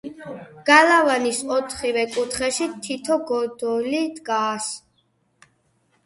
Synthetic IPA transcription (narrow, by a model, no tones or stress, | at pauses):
ɡ̥alavanisɔt̪ʰχivɛkʼut̪ʰχɛʃit̪ʰit̪ʰɔɡɔd̪ɔlid̪ɡaːs